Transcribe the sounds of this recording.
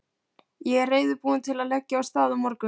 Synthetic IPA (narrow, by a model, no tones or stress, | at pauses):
jɛɛɾreːjðʏpuːɪnt̪ʰɪlaðlɛcːɪawst̪aːðamɔɾkʏ